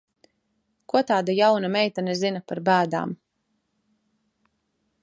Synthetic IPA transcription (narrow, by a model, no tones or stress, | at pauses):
kut̪aːd̪ajawnamɛjt̪anɛzinapaɾbæːd̪a̰ːm